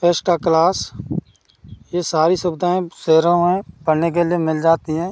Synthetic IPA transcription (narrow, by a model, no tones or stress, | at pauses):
peːsʈaːklaːs | jeːsaːɾisʊbd̪aẽseːɾõẽpəɾnek̬eliemɪld͡ʒaːt̪iɦɛ̃ː